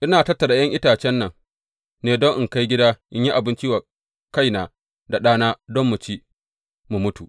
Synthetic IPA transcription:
ʔɪ˦naː˨tɐ˦tːɐ˨da˨jɐ˦ŋʔɪ˦taː˨t͡ʃɛ˦nːɐ˨ŋ | neː˨dɔ˦ŋʔɪ˨ŋka˦jɡʲɪ˦daː˦ʔɪ˦ɲji˦ʔa˨bɪ˦nt͡ʃi˦wa˨ | ka˦jnaː˨ | da˨ɗaː˦naː˦dɔ˦mːu˨t͡ʃiː˦ | mu˨mʊ˦tu˨

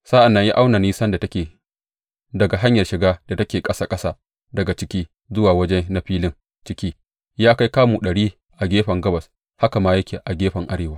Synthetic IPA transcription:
saː˦ʔa˨nːɐ˦ɲjaː˦ʔa˦wna˨niː˦sɐ˦nda˨tɐ˦kʲeː˨ | dɐ˨ɡa˨ɦa˦ɲjɐ˨rʃɪ˨ɡaː˦d̥a˨tɐ˦kʲeː˨kʼɐ˦saː˦kʼɐ˦saː˦ | dɐ˨ɡa˨t͡ʃɪ˦kʲiː˦ | zʊ˦waː˨wɐ˦d͡ʒɛ˦na˦ɸiː˦lɪ˦ŋ | t͡ʃɪ˦kʲiː˦ | jaː˦ka˦jkaː˦muː˨ɗɐ˨ɽiː˦ | ʔa˨ɡʲeː˦ɸɐ˨ŋɡɐ˦bɐ˨s | ha˦ka˨maː˦jɐ˦kʲeː˨ʔa˨ɡʲeː˦ɸɐ˨ŋʔa˦ɽeː˨waː˦

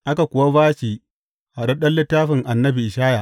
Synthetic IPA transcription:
ʔa˦ka˨kʷʊ˨wa˦baː˦t͡ʃiː˨ | ha˨ɗɐ˦ɗɐ˦nlːɪ˦tːaː˦ɸɪ˨ŋʔa˨nːɐ˦bi˨ʔɪ˨ʃaː˦ja˨ʔ

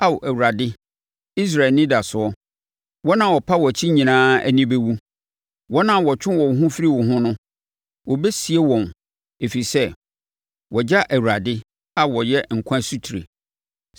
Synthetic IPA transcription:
a˦wʔæ˨wu˨ɾa˨dɪ˦ | i˦s̬ɾa˨nɪ̃˦da˨sʊ˨ɔ˦ | wɔ˦nã˦˨wɔ˨pʰa˦wɔ˨t͡ɕʰi˦ɲĩ˨nãː˦æ̰˦nĩ˦be˦wu˦ | wɔ˦nã˦wɔ˨t͡ɕʰᶣɪ̃˦wɔ˨ɦʊ̃˦fi˦ɾi˦wɔ˨ɦʊ̃˦nʊ̃˦ | wʔɔ˨bɛ˦si˨e˦wɔ̃˨n | e˨fi˨i˨sɛ˦ | wɔ˨d͡ʑa˦ʔæ˨wu˨ɾa˨dɪ˦ | a˦wɔ˨jɛ˦ŋ̩˨kʷʰã˦su˦tʰi˨ɾḛ˨

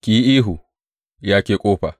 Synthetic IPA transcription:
kʲiː˨ʔiː˦ɦu˨ | jaː˦kʲeː˨kʼoː˦ɸa̰˨

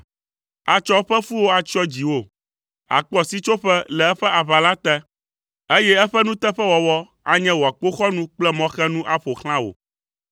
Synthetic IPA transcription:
a˨t͡ʃɔ˦ɸɛ˦fu˦wo˦a˨t͡ʃɔ˦d͡ʑi˨wo˦˨ | a̰˨k͡pɔ˨si˦t͡ʃo˦ɸɛ˦lɛ˨ɛ˦ɸɛ˦ʔa˨βa˨la˦t̪ɛ˦ | e˦jɛ˦ɛ˦ɸɛ˦nũ˦t̪ɛ˦ɸɛ˦wɔ˨wɔ˦ | a̰˨ɲɛ̃˦wo˨a˨k͡po˦xɔ˦nũ˦k͡plɛ˦mɔ̃˦xɛ˦nũ˦ʔa˦ɸo˨xl̃ã˦wo̰˨

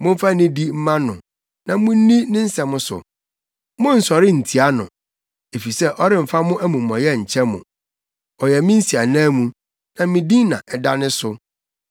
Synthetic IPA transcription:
mʊ̃˦m̩˦fa˦nĩ˦di˦m̩˦mã˦nʊ̃˨ | nã˨mʊ̃˦n̩˦nĩ˦nɪ̃˦n̩˦sɛ˨mʊ̃˦sʊ̰˨ | mʊ̃˦n̩˨sɔ˨ɾɪ˦n̩˨tʰi˨a˦nʊ̰̃˨ | e˨fi˨sɛ˦˨ʔɔ˦ɾɪ˦m̩˨fa˦mʊ̃˦ʔæ˦mũ˨mː˨ɔ̃˨jɛ˦ɲ̩˨t͡ɕʰɛ˦mʊ̰̃˨ | ɔ˨jɛ˨mĩ˦n̩˦si˨a˨nãː˦mũ˨ | nã˨˦mĩ˦dĩ˦nã̰˨ʔɛ˨da̰˦nɪ̃˦sʊ˨

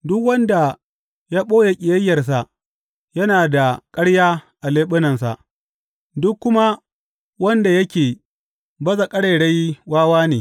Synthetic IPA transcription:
dʊ˦kwɐ˦nda˨ | jaː˦ɓoː˦je˨kʲʼɪ˨jɐ˦jːɐ˨rs̬a˨ | jɐ˦naː˨da˨kʼɐ˦ɽjaː˦ʔa˨leː˦ɓɪ˦nɐ˨nsa̰˨ʔ | dʊ˦kːʊ˦ma˦ | wɐ˦nda˨jɐ˦kʲeː˨ | bɐ˦za˨kʼɐ˦ɽe˨ɽe˦jwaː˦waː˦neː˨

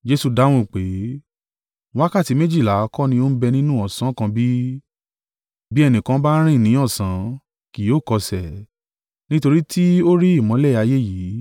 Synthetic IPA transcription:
d͡ʒe˧˦su˧˨da˨˦w̃ũ˦˨k͡pe˨˦ | a˦ka˦˨ti˨˦mẽ˦d͡ʒi˦˨la˨˦kɔ˦nĩ˧o˦n̩˦bɛ˧nĩ˦nũ˦ɔ˨sã˨˦kã˧bi˦ | bi˦ɛ˧nĩ˨kã˧˦ba˦ɾ̃ĩ˦˨nĩ˨˦ɔ˦˨sã˨˦ | ki˨joː˦˨kɔ˧sɛ˨ | nĩ˦to˧ɾi˦tʰi˦o˦ɾi˦i˦˨mɔ̃˨˦lɛ˦˨a˧je˦jiː˨˦

